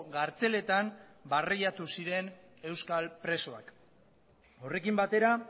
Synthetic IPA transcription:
ɣaɾt͡se̞le̞t̪ambariʎat̪usiɾe̞n | e̞wskalpɾe̞so̞ak | o̞re̞kimbat̪e̞ɾa

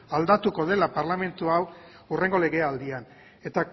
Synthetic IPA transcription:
ald̪at̪uko̞ðe̞lapaɾlame̞nt̪uaw | ure̞ŋɡole̞ɣe̞ald̪ian | e̞t̪a

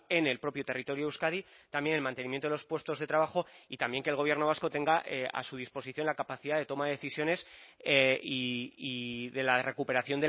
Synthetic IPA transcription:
e̞nelpɾo̞pjot̪e̞rit̪o̞ɾjoewskaðit̪ambje̞nelmãnt̪e̞nimjent̪oðelo̞spwe̞st̪o̞zðe̞t̪ɾaβ̞axo̞it̪ambje̞ŋkelɣoβjeno̞β̞asko̞t̪e̞ŋɡaʔea̰suð̞ispo̞siθjo̞nlakapaθiðaðe̞t̪o̞maðeðe̞θisjo̞ne̞s | iiðe̞lare̞kupe̞ɾaθjo̞nd̪e

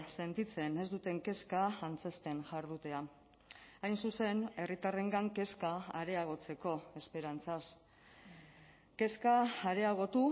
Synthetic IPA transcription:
se̞nt̪it͡se̞ne̞zd̪ut̪e̞ŋke̞skaːnt͡se̞st̪e̞nʝaɾðut̪e̞a | ajnsuse̞ne̞rit̪are̞ŋɡaŋke̞skaaɾe̞aɣ̞o̞t͡se̞ko̞e̞spe̞ɾant͡sas | ke̞skaːɾe̞aɣ̞o̞t̪u

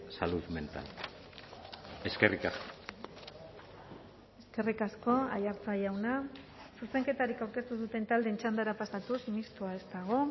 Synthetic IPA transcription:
saluðme̞nt̪a̰l | e̞skerikasko | e̞ske̞rikasko̞a̰jaɾt͡sajawna | suse̞ŋke̞t̪aɾikawɾke̞st̪uðut̪e̞nt̪ald̪e̞ːnt͡ʃand̪aɾapasat̪usimist̪uae̞st̪aɣ̞o̞

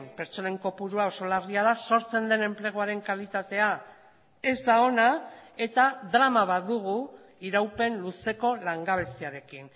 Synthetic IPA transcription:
mpe̞ɾt͡so̞ne̞ŋko̞puɾuao̞so̞lariað̞aso̞ɾt͡se̞nd̪e̞ne̞mple̞ɣ̞oaɾe̞ŋkalit̪at̪e̞a | e̞zd̪ao̞nae̞t̪aðɾamaβad̪uɣ̞u | iɾawpe̞nluse̞ko̞laŋɡaβ̞e̞siaɾe̞kin

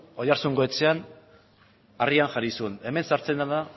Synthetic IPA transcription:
ojaɾsuŋɡoet͡se̞an | ariaŋʝaɾisuene̞me̞nsaɾt͡se̞nd̪aða

